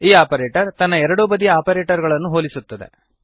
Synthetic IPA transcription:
iːaːpɐɾeːʈɐɾt̪ɐnːɐɛɾɐɽuːbɐd̪ijɐaːpɐɾeːʈɐɾɡɐɭɐnːuɦoːlisut̪ːɐd̪e̞̰

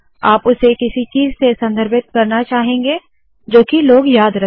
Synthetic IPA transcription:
aːpʊsekɪsit͡ʃiːzsesɐ̃nd̪ʱəɾbɪt̪̚kɐɾnat͡ʃaːɦẽːŋ̆ɡeː | d͡ʒoːkiloːɡjaːd̪ɾɐ

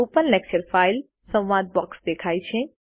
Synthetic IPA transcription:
oːpənlɛk̚t͡ʃəɾfʰaːɪl | sə̃wʋaːd̪̚bɔːksd̪ekʰaːit͡ʃʰẽ

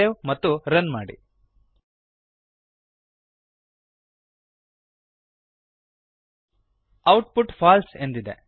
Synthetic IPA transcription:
eʋmɐt̪ːuɾɐnmaːɽḭ | ɐwʈpuʈpʰaːlsend̪id̪e

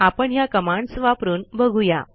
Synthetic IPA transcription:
apəɳjakəmaɳsʋapɾuːnbəɡʱuja̰

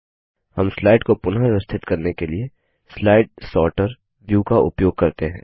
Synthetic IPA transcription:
hɐmslaːɪɖkopʊnɦaɾɪʋəst̪ʰɪt̪kɐɾnekelie | slaːɪʈ̚sɔːɾʈəɾ | ʋjuːkaʔʊ̰pjoːɡ̚kɐɾt̪eɦɛ̰̃ː

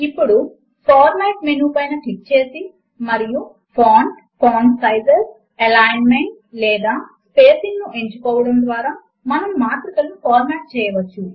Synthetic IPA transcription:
ipːuɽu | pʰaːɾmaːʈmenuːpɐjnɐʈik̚t͡ʃe̞ːsi | mɐɾiju | pʰoːn | pʰoːnsɐjzes | ɐlaːjnmeɳʈ̚ | lɛːd̪aːspeːsinːuʔe̞ɲt͡ʃukɔːʋɐɽɐmd̪ʋaːɾaː | mɐnɐmmaːt̪ɾikɐlːupʰɔːɾmaːʈ̚t͡ʃɛːjɐʋɐt͡ʃːu

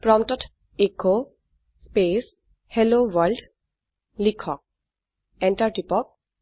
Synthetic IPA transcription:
pɹɔmtɔtʰ | eko | spes | helowald | likʰːɔk̚ | ɛntaɹtipɔk̚

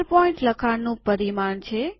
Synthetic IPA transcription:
ɾpɔĩɳʈləkʰanũpəɾimaɳt͡ʃʰe

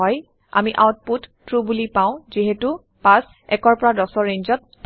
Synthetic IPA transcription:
ɔj | a̰miʔa̰wt̚putːɹubulipaʊ̃ziɦetu | pas | ɛkɔɹpɔɹadɔsɔɹeɲzɔt̚

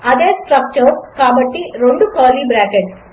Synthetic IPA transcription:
ɐd̪eːsʈɾɐk̚t͡ʃɐɾkaːbɐʈːiɾoɳɖukaːlibɾaːkeʈ

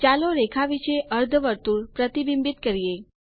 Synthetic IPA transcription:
t͡ɕaloɾekʰaʋit͡ɕeʔəɾd̪ʱəʋəɾt̪uːɾpɾət̪ibimbit̪kəɾije

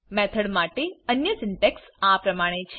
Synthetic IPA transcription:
mɛt̪ʰəɽmaʈeənjəsɪɳʈeks | apɾəmãet͡ʃʰ

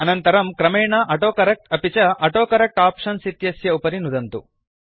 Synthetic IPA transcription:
ɐnɐnt̪ɐɾɐmkɾɐmeːɳaːʔɐʈoːkɐɾɐk̚ʈɐpit͡ʃɐʔɐʈoːkɐɾɐk̚ʈaːpʂɐnsit̪jɐsjɐupɐɾinud̪ɐnt̪u

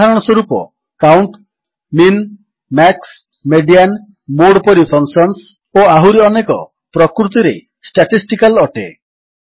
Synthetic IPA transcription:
aɾɔɽ̃ɔswoɾupɔ̰ | kawɳʈ | min | maks | meɖijan | moɽpɔɾipʰɔŋksɔns | oaɦuɾiɔnekɔ̰ | pɾɔkɾut̪iɾḛ | sʈaʈisʈikalɔʈḛ

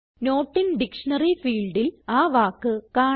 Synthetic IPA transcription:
no̞ːʈːinɖikʂɐnɐrifiːɭɖilaːʋaːkːɨkaː

